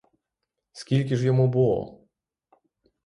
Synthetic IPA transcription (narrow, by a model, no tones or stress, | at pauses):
skʲilʲkʲɪʐjɔmubulˠɔ̰